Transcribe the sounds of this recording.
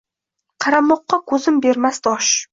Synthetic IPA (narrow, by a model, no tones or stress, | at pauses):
qʰɑɾamɒqːɑkʰɵzɪmbe̞ɾmasd̪ɒʃ